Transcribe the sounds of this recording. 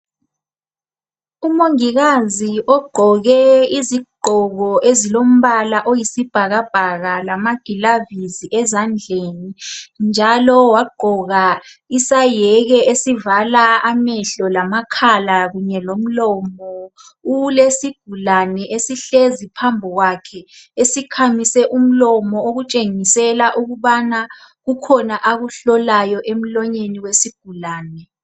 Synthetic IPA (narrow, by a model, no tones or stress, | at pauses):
umoŋiɣaziʔɔɡ͡ǃʱɔɣɛiziɡ͡ǃʱɔɣɔʔezilom̩βalaʔojisib̥ʱaɣab̥ʱaɣalamaɡ̥ʱilaviziʔɛzand͡ɮʱenind͡ʒʱalɔwaɡ͡ǃʱɔɣaisajɛɣɛʔesivalaamɛɬɔlamakʰalaɣuɲɛlom̩lɔmɔ | ulesiɡ̥ʱulanɛʔesiɬezipʰambʱɔɣwakʰɛesikʰamisɛʔum̩lɔmɔoɣut͡ʃʼeŋisɛlaʔuɣuβanaɣukʰɔnaʔaɣuɬɔlajɔʔem̩lɔɲeniwesiɡ̥ʱulaːnɛ